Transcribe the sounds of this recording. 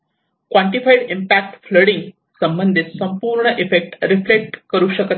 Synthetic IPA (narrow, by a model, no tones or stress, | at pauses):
kʋaɳʈifaiɽimpæk̚ʈfləɽiŋɡ | səmbənd̪ʱit̪səmpuːɾɳəʔefek̚ʈɾiflek̚ʈkəɾuːɕəkət̪